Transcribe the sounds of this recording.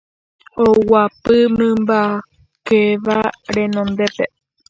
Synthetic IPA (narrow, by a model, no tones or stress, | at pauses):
owapɨmɨ̃mba | keʋaɾẽ̞nõnd̪e̞pe